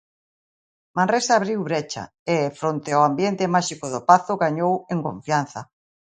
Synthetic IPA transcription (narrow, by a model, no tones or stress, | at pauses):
mãnresaːβɾiwβɾet͡ʃa̰ | ɪfɾont̪ɪoambjent̪ɪmaʃikoðʊpaθʊɣaɲoweŋkõ̰ɱfjan̟θɐ